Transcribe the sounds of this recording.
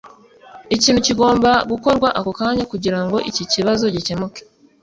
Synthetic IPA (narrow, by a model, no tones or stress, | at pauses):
iciːnhuciɡo̞ːmbaɡuko̞ɾɡwaʔako̞kaːɲakuɟiɾaŋɡo̞ʔiciciβazo̞ɟice̞muke̥